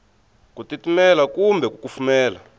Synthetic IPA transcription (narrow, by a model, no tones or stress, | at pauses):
kutitimɛlakumbɛk̬ukufumɛːla